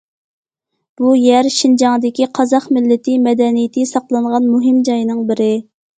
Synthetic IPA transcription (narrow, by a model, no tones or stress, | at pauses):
b̥ujæɾʃind͡ʒɑŋd̪ɪkʲiqʰɑzɑχmɪlːɪt̪ʰɪmɛd̪ɛnijɪt̪ʰɪsɑqlˠɨɴʁɑnmuɦɪmd͡ʒɑjinɨŋbɪɾɪ